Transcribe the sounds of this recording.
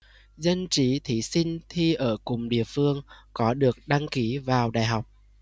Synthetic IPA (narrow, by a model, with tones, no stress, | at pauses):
zə˧nt͡ɕi˨˦t̪ʰi˨˦sï˧ŋ̟t̪ʰi˧ʔəː˧˩kʊ˨˩ŋ͡mɗḭ˧˨əfɨ˧əŋkɔ˨˦ɗɨ˨˩ək̚ɗa˧ŋki˨˦vaː˨˩wɗa̰ː˧˨˩jɦa˨˩wk͡p̚